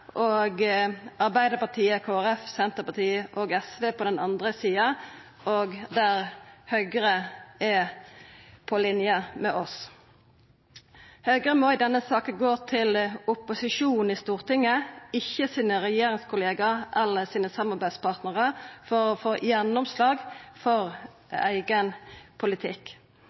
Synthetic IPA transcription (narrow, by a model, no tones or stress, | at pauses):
ʔoːɡʔɑʁbæɪd̪əpɑt̪ʰiːəkʰoːæɾɛfsɛnt̪əpɑt̪ʰiːʔɔɡɛsʋeːpʰɔd̪ɛnɑnd̪ʁəsiːɑ | oːɡd̪æʁhœʏɡəʁəɛ | pʰɔlɪnjəmɛʔɔs | hœʏɡəʁəmɔɪd̪ɛnːəsɑːkəɡoːt̪ʰɪlʊpʊsɪʂuːnn̩iːst̪uːʁt̪ɪŋːəɪçːəsiːnəʁɛjeːɾɪŋskʊleːɡɑʔɛlːəsiːnəsɑmːɑʁbæɪd̪spʰɑʁt̪nəʁəfɔɾɔfoːjɛnːɔmslɑːɡfɔʁ | æ̰ɪɡənpʰʊlɪt̪ʰɪk